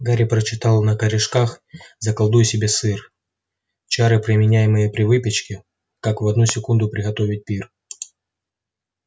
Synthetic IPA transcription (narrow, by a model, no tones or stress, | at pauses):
ɡaɾʲɪpɾət͡ɕɪt̪ɑlˠnəkəɾʲɪʂkaxzəkɐlˠd̪ujʊsʲɪbʲesɨr | t͡ɕaɾɨpɾʲɪmʲɪnʲæjɪmɨjəpɾʲɪvɨpʲɪt͡ɕkʲɪ | kakvɐd̪nusʲɪkund̪ʊpɾʲɪɣɐt̪o̞vʲɪt̚ʲpʲir